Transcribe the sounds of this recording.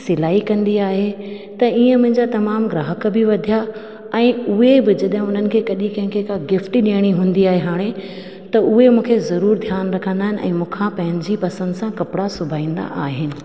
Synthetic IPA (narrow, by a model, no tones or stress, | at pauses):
sɪlaːikɐ̃nd̪iaːɦe | t̪ɐiːə̃mʊ̃ɦɪ̃ɲd͡ʑat̪ɐmaːmɡɾaːɦəkbɪʋɐd̪ʱija | ɛ̃ːʊɦebɪd͡ʑɐɗɦɪ̃ʊn̤ənɪ̆kʰeːkɐɗĩkɐ̃ɦɪ̃ŋkʰekaɡɪfʈɗiəɽ̃iɦũːnd̪iaːɦeɦaːɽ̃e | t̪ɐʔʊɦemũːkʰezɐɾuːɾd̪ʱjaːnɾɐkʰə̃nd̪aːɦɪnɪ̆ʔɛ̰̃ːmũːkʰãpɐ̃ɦɪ̃ɲd͡ʑipɐsə̃nd̪sãkɐpɪɽasʊbʱaːĩːn̆d̪a̰ʔaːɦɪnɪ̆